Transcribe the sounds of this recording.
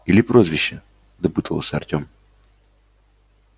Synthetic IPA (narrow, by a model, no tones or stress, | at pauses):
ilʲipɾɔzvʲiʃɛ | d̪ɐpɨt̪ʰɔlˠɔsɛɐɾt̪ʲɔm